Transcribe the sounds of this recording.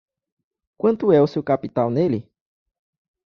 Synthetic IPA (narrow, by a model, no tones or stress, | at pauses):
kʷɐ̃nt̪uɛosewkapit̪awneli